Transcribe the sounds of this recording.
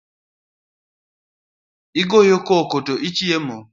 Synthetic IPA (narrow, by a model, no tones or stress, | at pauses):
iɡojokɔkotoʔit͡ʃiemo